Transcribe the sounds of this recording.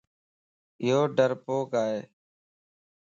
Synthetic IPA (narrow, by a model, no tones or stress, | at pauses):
ɪɦoːɖəɾpoːkaːɦeː